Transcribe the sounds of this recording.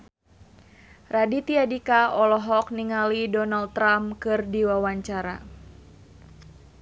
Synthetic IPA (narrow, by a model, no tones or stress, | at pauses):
radit̪iadikaɔlɔɦɔk̚niŋalidɔnaldt̪ːɾamkɨrdiwawaɲt͡ʃaɾa̰